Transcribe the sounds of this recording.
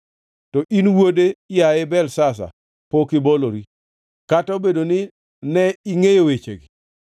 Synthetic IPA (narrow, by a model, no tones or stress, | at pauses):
tɔʔinwodejaɪbɛlsas̬a̰ | pokɪboloɾi | kataobedonɪ | nɛiŋejowet͡ʃḛɡɪ